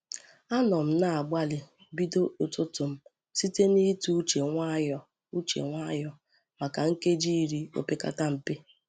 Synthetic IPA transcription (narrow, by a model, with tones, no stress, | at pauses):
a˦nɔ˨m̩˦na˦˨a˨ɡ͡bʷa˦lɪ˨ | bi˦do˦ʊ˨tʊ˦tʊ˨m̩˦ | si˦te˦ni˦tu˦t͡ʃe˨ŋʷa˦jɔ˦ | u˦t͡ʃḛ˨ŋʷa˦jɔ˦ | ma˨ka˨ŋ̩˦ke˦d͡ʒi˦i˦ɾi˦o̰˦˨pe˦ka̰˦ta˦m̩˨pe˦